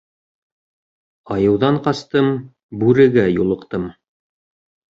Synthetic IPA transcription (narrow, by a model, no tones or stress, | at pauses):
ɑjɤ̆wðɑɴqɑst̪ɤm | bʉɾɘ̆ɡæjulˠɤ̆qt̪ɤm